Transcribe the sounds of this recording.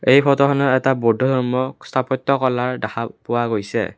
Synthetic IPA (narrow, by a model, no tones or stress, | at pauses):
ejpʰɔtɔkʰɔnɔɛtabɔdʱɔdʱɔɹmɔstʰapɔtːɔkɔlaɹdakapʊwaɡojsɛ̰